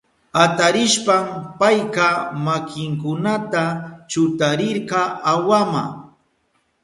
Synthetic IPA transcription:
at̪aɾɪʃpampajkamakɪŋkʊnat̪at͡ʃʊt̪aɾɪɾɢɑawama̰

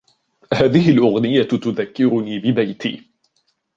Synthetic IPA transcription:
haːðɪhɪlʔʊɣnɪjat̪ʊðakːɪɾʊniːbɪbajt̪ḭː

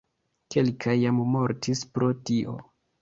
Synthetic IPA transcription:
ke̞lkʰajammo̞ɾtʰispɾo̞tiʔo̞̰

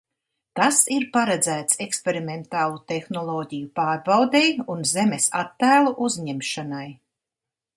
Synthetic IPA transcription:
t̪asiɾpaɾad̪zæːt̪sekspeɾiment̪aːlˠut̪exnɔlˠɔːɟijupaːɾbawd̪ejunzemesa̰t̪ːæːlˠuʔuzɲemʃanaj

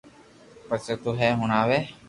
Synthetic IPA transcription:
pəset̪uɦɛːɦʊnaːʋeː

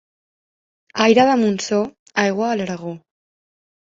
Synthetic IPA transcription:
ajɾaðamunso | ajɣoalaɾaɣo

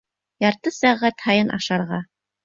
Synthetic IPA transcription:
jɑɾt̪ɤsæʁæt̪hɑjɤnʔɑ̰ʃɑɾʁɑ

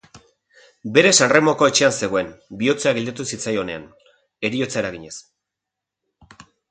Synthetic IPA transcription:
be̞ɾe̞sanre̞mo̞ko̞e̞t͡ʃe̞anse̞ɣ̞o̞e̞mbiot͡seaɣild̪et̪usit͡sajo̞ne̞a̰n | e̞ɾio̞t͡sae̞ɾaɣ̞iɲe̞s

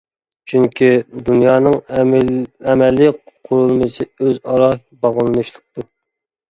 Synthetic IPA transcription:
t͡ʃʰyŋkʲʰid̪unjɑːnɨŋ | ɛmɛlːɪqʰʊɾulˠmɨsɨøzɑɾɑ | bɑʁəlˠɨnɨʃlˠəq̚t̪u

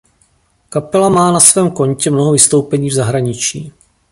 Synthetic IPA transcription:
kapɛlamaːnasvɛːmko̞ɲcɛmno̞ɦovɪst̪o̞wpɛɲiːvzaɦɾaɲɪt͡ʃiː

